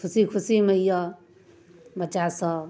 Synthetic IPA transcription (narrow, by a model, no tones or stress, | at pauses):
kʰusikʰusiməjʌ | bət͡ʃasʌ